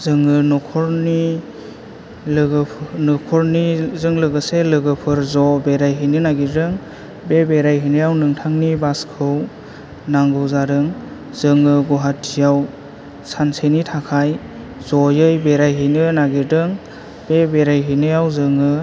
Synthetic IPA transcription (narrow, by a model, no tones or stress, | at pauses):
zɯŋɯnɔkʰɔɾni | lʰnɯkʰɔɾnizɯŋlɯɡɯselɯɡɯpʰɯɾzɔbeɾajɦɯnɯnaɡidɯŋ | bebeɾajɦinɯjawnɯŋtʰaŋnibaskʰɯw | naŋɡɯwzaɾɯŋ | z̥ɯŋɯɡɔɦatʰːijaw | sansenitʰakʰaj | zɔjɯjbeɾajɦɯnɯnaɡidɯŋ | b̥ebeɾajɦijnɯjawzɯŋɯ